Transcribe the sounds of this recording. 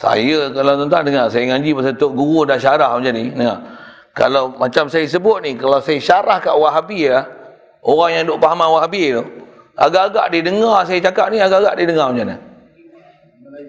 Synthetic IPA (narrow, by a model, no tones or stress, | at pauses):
sa̰jəkalat̪ənt̪adəŋasajəŋãɲd͡ʒipasat̪oʔɡuɣudanʃaɾahmuɲd͡ʒaninəŋa | ka̰lawmat͡ʃamsajəs̬əbʊt̪̚nikalawsajəʃaɾahka̰ʔwaʔɦabilah | oɣaŋjaŋdoʔpaɦamanwaɦabit̪o | a̰ɡaʔɡaʔdidəŋars̬ajət͡ʃakaʔ̚niaɡaɡaʔdidəŋamud͡ʒanə̰